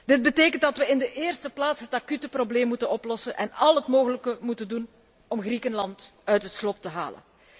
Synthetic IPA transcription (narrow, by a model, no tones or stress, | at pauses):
d̥ɪd̚bəteːkəntdɑtʋəɪndəʔeːrstəplaːtsɦətakytəprobleːmːutənɔplɔsənʔɛnɑlˠɦətmoːɣələkəmutəndun | ɔmɣrikənlɑntœɥtɦətslɔp̚təɦa̰ːlə̰n